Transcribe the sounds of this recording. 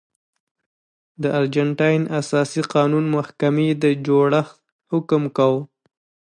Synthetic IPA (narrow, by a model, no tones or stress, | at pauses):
d̪əʔaɾd͡ʒaɳʈɑjnasɑsiqɑnunmahkamed̪əd͡ʒoɽaxt̪ | hʊkmkaw